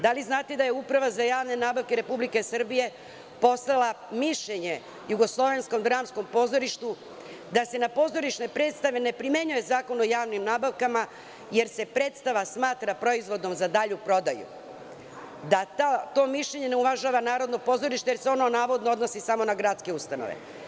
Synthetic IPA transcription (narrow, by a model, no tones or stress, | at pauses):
d̪aliznaːt̪ed̪ajeupɾaʋazajaːʋne̞naːbaʋke̞ɾe̞publike̞sɨr̩bije̞ | po̞slˠalˠamiʃʎe̞ɲe̞ | juɡo̞slˠo̞ʋe̞nsko̞md̪ɾaːmsko̞mpo̞ːzo̞ɾiʃt̪u | d̪ase̞napo̞ːzo̞ɾiʃne̞pɾe̞t̪st̪aʋe̞ne̞pɾime̞ɲuje̞zaːko̞nojaːʋnimnaːbaʋkama | je̞ɾse̞pɾe̞ːt̪st̪aʋasmaːt̪ɾapɾo̞izʋo̞d̪o̞mzad̪aʎupɾo̞d̪ajṵ | d̪at̪at̪o̞ːmiʃʎe̞ɲe̞neuʋaʒaːʋanaːɾo̞d̪no̞po̞ːzo̞ɾiʃt̪eje̞ɾseo̞no̞naːʋo̞d̪noo̞d̪nosisamo̞naɡɾat̪ske̞ust̪ano̰ʋḛ